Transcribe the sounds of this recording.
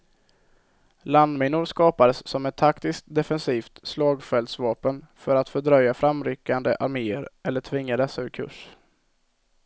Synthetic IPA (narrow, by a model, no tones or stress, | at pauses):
land̪mɪnʊɾskɑːpad̪əsːɔmɛt̪ʰːakt̪ɪskt̪d̪ɛfɛnsiːft̪slɑːɡfɛld̪svɑːpənfœɾat̪fœɖɾœjafɾamɾʏkːand̪əʔaɾmeːəɾʔɛlːəʈʰvɪŋːad̪ɛsːaɵɾkʰɵ̰ʂ